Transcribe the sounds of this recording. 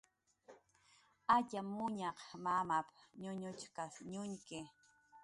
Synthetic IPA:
aʎamːʊɲaqmamapɲʊɲʊt͡ʃkasɲʊɲkɪ

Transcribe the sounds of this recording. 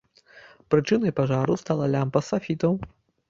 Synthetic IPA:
pɾɨt͡ʂɨnɐjpaʐaɾust̪alˠɐlʲampɐsafʲit̪ɐw

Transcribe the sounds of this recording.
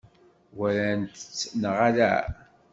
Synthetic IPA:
wælænt̪ət͡sːnəʁalæ̰

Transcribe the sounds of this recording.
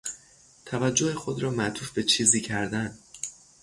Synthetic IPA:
t̪ʰævæd͡ʒːohexod̪ɾɒːmæʔt̪ʰuːfbe̞t͡ʃʰiːziːcʰæɾd̪æn

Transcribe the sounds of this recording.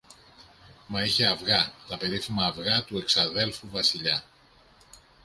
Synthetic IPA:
mɐiçe̞ɐvɣɐt̪ɐpe̞ɾifimɐːvɣɐt̪ue̞ksɐðe̞lfuvɐsiʎɐ

